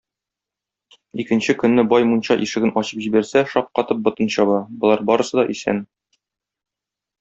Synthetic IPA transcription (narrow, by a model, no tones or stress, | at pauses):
ikɘ̆nɕɘkɵ̆nːɘbɒjmunɕɑʔiʃɘ̆ɡɘnɒɕɤpʑibæɾsæʃɒp̚qɒt̪ɤp̚bŏt̪ɤ̆nɕɒbɑbŏlˠɑɾbɒɾɤ̆sɤ̆d̪ɒʔisæ̰n